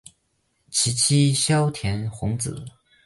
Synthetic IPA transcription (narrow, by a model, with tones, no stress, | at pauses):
t͡ɕʰi˧˥t͡ɕʰi˥ɕjɑ˥ʊt̪ʰjɛ˧˥nxʊ˧˥ŋt͡sɹ̩̰˨˩˦